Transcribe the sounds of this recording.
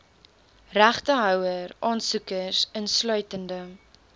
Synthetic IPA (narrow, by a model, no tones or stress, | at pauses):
ræχtəɦœwərʔɑːnsukəsənslœɥtəndə